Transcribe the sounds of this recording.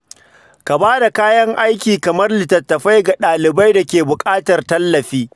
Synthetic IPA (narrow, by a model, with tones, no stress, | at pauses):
ka˨baː˦da˨kaː˦jɐ˦ŋʔa˦jkʲiː˨kɐ˨mɐ˦rlɪ˨tɐ˨tːɐ˨ɸa˦jɡa˨ɗaː˨lɪ˨ba˦jda˨kʲeː˨bʊ˨kʼaː˦tɐ˨rtɐ˦lːɐ˨ɸiː˦